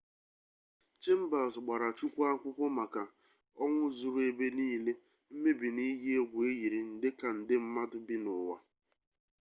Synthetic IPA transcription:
t͡ʃe˦m̩˦ba˨sɡ͡ba˨ɾa˨t͡ʃu˦kʷa˦kʷʊ˦kʷʊ˦ma˨ka˨ | ɔ˦ŋʷʊ˦zu˨ɾe˨be˦niː˦le˦ | m̩˦me˦bi˨ni˦ɦe˦ɡʷe˦ɣi˨ɾi˨n̩˨dɪ˦ka˨n̩˨dɪ˦m̩˦ma˦dʊ˦bi˦nʊ˨wa̰˦

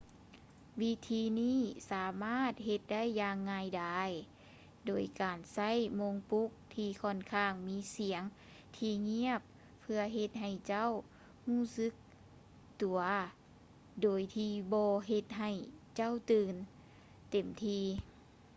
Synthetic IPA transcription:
wi˧˥t̪ʰiː˧niː˥˨saː˨˦maː˥˩˨t̪̚ɦe˧t̪̚da˥˨jːaː˧ŋːaː˧jda˧˩j | doː˨˩jkaː˨˩nsa˥˨jmo˧˥ŋpu˦˥k̚t̪ʰiː˧kʰɔː˧˥˩nkʰaː˧˩ŋmiː˧˥si˨˩˦əŋ | t̪ʰiː˧ŋi˧˥˨əpʰː | ɯ˧ɐɦe˧t̪̚ɦa˨˩jt͡ɕa˥˨w | huː˥˩sɯ˧˥k̚ | t̪u˨˩ɐ | doː˨˩jt̪ʰiː˧bɔː˧ɦe˧t̪̚ɦa˧˩jt͡ɕa˥˨wt̪ɯː˧n | t̪e˨˩mt̪ʰiː˧

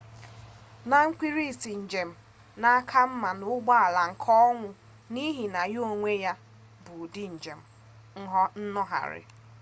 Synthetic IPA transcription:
na˨ŋ̩˦kʷi˦ɾi˦˨si˨n̩˨d͡ʒe˨m̩˨ | na˦a˦kʰa˦m̩˦ma˨nʊ˨˦ɡ͡ba˦a˨la˨ŋ̩˨kʰɔ˦ɔ˦ŋʷʊ˦ | ni˦ɦi˨na˨jo˦ŋʷe˦ja˦ | bu˨di˦n̩˨d͡ʒe˨m̩˦˨˦ | ɦɔ˦n̩˦nɔ˦ɦa̰˨ɾɪ̰˨

